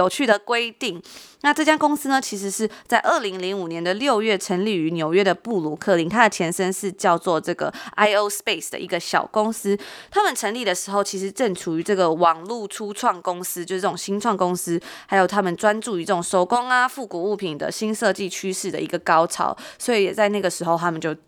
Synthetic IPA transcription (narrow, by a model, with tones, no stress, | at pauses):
o˨˩ʊt͡ɕʰy˥˩d̪ə˩kwe˥ɪt̪i˥˩ŋna˥˧ʈ͡ʂɤ˥˩t͡ɕja˥kʊ˥ŋs̩˥nə˨t͡ɕʰi˧˥ʂ̬ɻ̩˧˥ʂɻ̩˥˧t͡sa˥˧ɪʔə˥˩li˧˥ŋli˧˥ŋu˨˩njɛ˧˦nd̪ə˨ljo˥˧ʊɥɛ˥˩ʈ͡ʂʰə˧˥ŋli˥˩y˧˥njo˨˩ʊɥɛ˥d̪ə˨pu˥˩lu˨˩kʰɤ˥˩li˧˥˦ŋt̪ʰa˥˩t͡ɕʰjɛ˧˥nʂə˥nʂɻ̩˥˧t͡ɕjɑ˥˧ʊt͡swɔ˥˨ʈ͡ʂɤ˥˩ɡə̰˩ʔa˥ɪo˧˥ʊspe˥˩ɪsd̪ə̰˩ʔi˧˥ɡə˨˩ɕjɑ̰˨˩ʊkʊ˥ŋsɹ̩˥t̪ʰa˥mə˨nʈ͡ʂʰə˧˥ŋli˥˩d̪ə˩ʂɻ̩˧˥xo˥˩ʊt͡ɕʰi˧˥ʂɻ̩˧˥ʈ͡ʂə˥˩nʈ͡ʂʰu˨˩y˧˥˦ʈ͡ʂɤ˥˩ɡə˩wɑ˨˩ŋlu˥˩ʈ͡ʂʰu˥ʈ͡ʂʰwɑ˥˩ŋkʊ˥ŋsɹ̩˥t͡ɕjo˥˧ʊʂ̩˥˩˥ʈ͡ʂʊ˨˩ŋɕi˥nʈ͡ʂʰwɑ˥˩ŋkʊ˥ŋsɹ̩˥ha˧˥ɪjo˨˩ʊt̪ʰa˥mə˨nʈ͡ʂwa˦nʈ͡ʂu˥˩i˧˥ʈ͡ʂə˥˩ʈ͡ʂʊ˨˩ŋʂo˥ʊkʊ˦˥ŋa˨fu˥˩ku˨˩u˥˩pʰi˨˩nd̪ə̰˩ɕi˥nsɤ˥˧t͡ɕi˥˩t͡ɕʰy˥ʂɻ̩˥˩d̪ə̰˩ḭ˧˥ɡə˨kɑ˥ʊʈ͡ʂʰɑ̰˨˥˦ʊswɔ˧˥i˨˩jɛ˨˩t͡sa˥˧ɪna˥˩ɡə˩ʂɻ̩˧˥xo˥˧ʊt̪ʰa˥mə˨nt͡ɕjo˥˩ʊ